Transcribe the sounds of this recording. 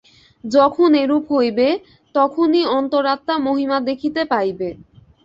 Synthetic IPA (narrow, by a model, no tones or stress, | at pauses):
d͡ʑɔkʰoneɾupɦojbe | t̪ɔkʰoniɔnt̪oɾːat̪ːamoɦimad̪ekʰit̪epajbe